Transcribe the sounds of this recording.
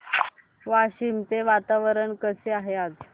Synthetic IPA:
ʋaɕimt͡seʋat̪aʋəɾəɳkəseaɦeat̪

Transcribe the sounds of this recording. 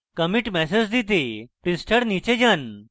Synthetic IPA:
kəmiʈmɛsed͡ʑd̪it̪̬epɾisʈəɽnit͡ɕed͡ʑan

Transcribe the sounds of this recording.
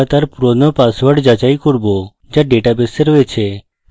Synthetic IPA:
at̪aɾpuɾonopasʋəɽd͡ʒat͡ʃajkuɾbo | d͡ʒaɖeʈabesəɾʋet͡ʃʰe

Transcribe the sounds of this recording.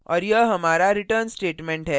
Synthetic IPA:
ɔɾjəɦəmaɾaɾiʈəɾnsʈeʈmeɳʈɦɛ

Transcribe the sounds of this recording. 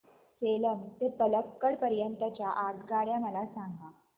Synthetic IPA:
seləmt̪ep̪ələkːəɽpəɾjənt̪ət͡ɕjaʔaɡ̪ɡaɽjaməlasãŋɡʱa

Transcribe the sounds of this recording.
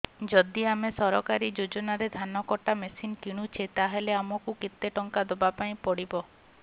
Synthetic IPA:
d͡ʒɔd̪iamesɔɾɔkaɾid͡ʒod͡ʒɔnaɾed̪ʱanɔkɔʈamesinkiɽ̃ut͡ʃʰet̪aɦeleamɔkukit̪ːeʈɔŋkad̪ɔbapaĩpɔɽibɔ

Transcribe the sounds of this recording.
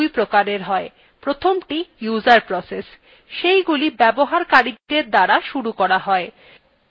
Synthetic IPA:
jpɾokaɾeɾɦɔe | pɾot̪ʰomʈijuzaɾpɾɔses | ʃejɡulibɛboɦaɾkaɾid̪eɾd̪aɽaʃuɾukɔɾaɦɔe

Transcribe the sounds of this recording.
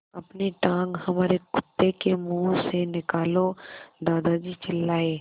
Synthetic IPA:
ɐpneʈãːŋɡhɐmaːɾekʊt̪ːekemuːsenɪkaːlod̪aːd̪ad͡ʒit͡ʃɪlːaːeː

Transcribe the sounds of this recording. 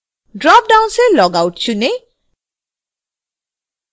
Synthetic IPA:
ɖɹɔp̚ɖawnselɔɡawʈ̚t͡ɕʰune

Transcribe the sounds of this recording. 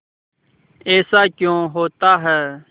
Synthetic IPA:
eːsaːkjõːɦoːt̪aːɦɛː

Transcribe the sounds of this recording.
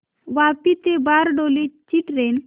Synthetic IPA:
ʋapit̪ebaɾɖolit͡ʃiʈɾen

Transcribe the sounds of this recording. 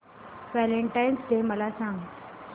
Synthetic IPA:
ʋæleɳʈajnsɖ̪eməlasãŋɡ

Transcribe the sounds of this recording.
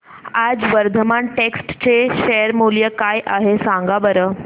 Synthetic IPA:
ad͡zʋəɾd̪ʱəmaɳʈeksʈt͡ɕeɕeəɾmuljəkajʔaɦesãŋɡabəɾə

